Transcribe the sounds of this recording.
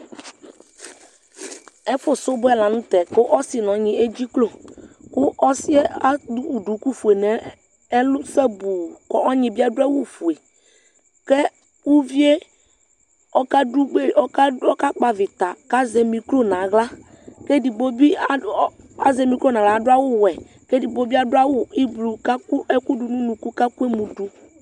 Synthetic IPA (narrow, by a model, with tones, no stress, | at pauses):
ɛ˦fʊ˦sʊ˦bʊ˦ɛ˦la˨nũ˦t̪ɛ˨kʊ˦ʔɔ˦sɪ˨nɔ̃˨˦ɲɪ̃˨e˦d͡ʑi˦klo˨kʊ˦ʔɔ˦si˦a˦du˦u˨ɖu˨ku˦fu˨e˨nɛ˨˦ | lʊ˦sɛ˦bu˨kɔ˨ʔɔ˦ɲĩ˨bi˦a˦ɖʊ˦a˦wu˦fu˨e˨ | ke˦ | wu˦vi˦e˦ | ɔ˦ka˦du˦ɡ͡be˦ɔ˦ka˦ɔ˦ka˦k͡pa˨vɪ˨t̪a˨ka˦zɛ˨mĩ˨klo˦nã˨˦ɣla˦ | ke˦di˨bo˦bi˦ | a˦zɛ˨mĩ˨klo˦nã˨la˨˦dʊ˦a˦wʊ˦wɛ˨ | ke˦di˨bo˦bi˦a˦dʊ˦a˦wʊ˦˨i˦blu˨ka˦ku˦ɛ˦ku˦du˨nũ˦nũ˨ku˦ka˦ku˦e˦mũ˨du˨